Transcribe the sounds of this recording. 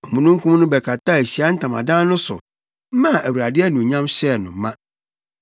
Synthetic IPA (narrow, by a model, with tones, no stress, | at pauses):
ɔ˨mũ˨nũ˦m˦kʰũ˦m˦nʊ̃˦bɛ˨kʰa˨tʰa˦˨æ˨ɕi˨a˦n̩˦tʰã˨mã̰˨dãː˦nʊ̃˦sʊ̰˨˦ | mã˦˨ʔæ˨wu˨ɾa˨dɪ˦ɛ˦nʊ̃˨ɲã˦mɕɛ˦˨nʊ̃˨˦mã˦